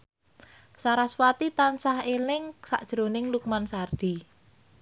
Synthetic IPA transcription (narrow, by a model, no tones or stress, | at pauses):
saɾaswat̪it̪ansaɦelɪŋsa̰ʔd̥ʒ̥ɾonɪŋluk̚mansard̪̥i